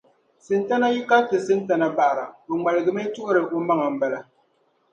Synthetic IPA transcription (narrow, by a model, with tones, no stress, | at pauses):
sɨ˨nta˦na˦ji˦ka˦tɨ˨sɨ˦nta˨˦na˦ba˨ʔɾa˨bɨ˨ŋ͡ma˨lɨ˨ɡɨ˨me˦tu˦o˦ɾɨ˨ʔo˦ma˦ŋa˨m̩˦ba˦la˦